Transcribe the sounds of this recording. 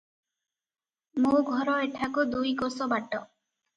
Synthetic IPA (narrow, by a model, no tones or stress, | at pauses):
moɡʱɔɾɔeʈʰakud̪ujkosɔbaʈɔ